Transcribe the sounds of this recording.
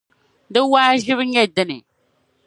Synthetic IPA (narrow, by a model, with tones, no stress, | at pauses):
dɨ˦waː˦ʒɪ˦βɲe˦dɨ˦nḭ˨